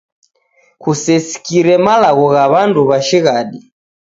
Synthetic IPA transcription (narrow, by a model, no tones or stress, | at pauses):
kusɛsi̥kiɾɛmalaɣɔɣaβanduβaʃiɣaɗi